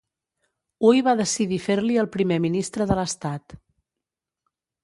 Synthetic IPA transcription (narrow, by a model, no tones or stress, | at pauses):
ujβaðəsiðifeɾliəlˠpɾimeminist̪ɾəðələst̪at̪